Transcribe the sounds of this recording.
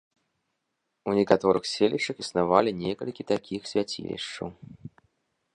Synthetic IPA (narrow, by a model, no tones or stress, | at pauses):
unʲɛkat̪ɔɾɨxsʲelʲiʂɐxisnavalʲinʲɛkɐ̰lʲkʲit̪akʲixsʲvʲat͡sʲḭlʲḭʂt͡ʂɐw